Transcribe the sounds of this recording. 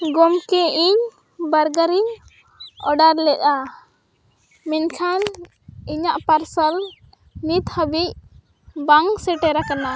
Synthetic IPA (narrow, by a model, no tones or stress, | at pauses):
ɡɔmkɛiɲ | baɾɡaɾiɲ | ɔ̰ɖaɾlɛʔ̚ˀa | mɛnkʰan | iɲaʔpaɾsəl | nit̪həbic̚ | baŋsɛʈɛɾakana